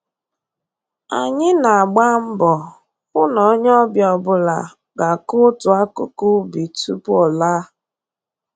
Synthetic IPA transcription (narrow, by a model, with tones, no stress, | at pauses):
a̰˨ɲɪ˦na˨a˨ɡ͡ba˦m̩˦bɔ˨ | ʊ˦nɔ˨˦ɲ˦ɔ˦bjɔ˨bʊ˨la̰˨ | ɡa˨kʊ˦tʊ˨a˦kʊ˦ku˦bi˨tṵ˦pɔ˨la˦